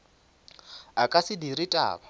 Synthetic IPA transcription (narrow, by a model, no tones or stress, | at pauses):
akʼasidiritʼa̰ːka